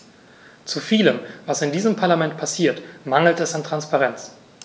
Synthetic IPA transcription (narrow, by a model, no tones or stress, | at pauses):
t͡sufiːləmvasɪndiːzəmpʰaɐlamɛnt̚pʰasiːɐtmaŋl̩tɛsantʁ̥anspaʁɛnt͡s